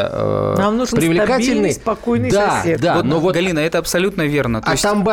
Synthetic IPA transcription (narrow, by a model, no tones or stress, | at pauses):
ə̰namnuʐpɾʲɪvlʲɪkatiɪlʲnɨspɐkojnɨjd̪aed̪aotnovot̪ɡɐlʲinəɛt̪əɐpsɐlʲut̪nəvʲe̞rnət̪aɪsʲt̪amba